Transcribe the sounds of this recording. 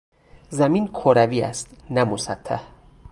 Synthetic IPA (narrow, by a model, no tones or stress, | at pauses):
zæmiːnkʰoɾæviːæ̰st̪næmosæt̪ʰːæ̰h